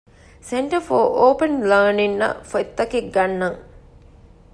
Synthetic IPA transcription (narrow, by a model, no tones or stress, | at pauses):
seɳʈɐfoːʔoːpənləːninːɐ̰fot̪ːɐkekɡɐnːɐŋ